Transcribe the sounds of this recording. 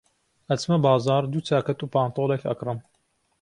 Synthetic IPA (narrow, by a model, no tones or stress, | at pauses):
ɐt͡smɐbɑːzɑːɾd̪ut͡sʰaːkɐt̪uːpaːnt̪oːlekʰɐ̰krɨm